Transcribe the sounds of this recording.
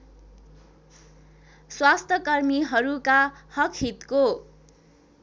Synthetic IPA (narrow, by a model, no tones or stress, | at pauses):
swast̪ʰʌkʌrmiɦʌɾukahʌkʰhit̪ko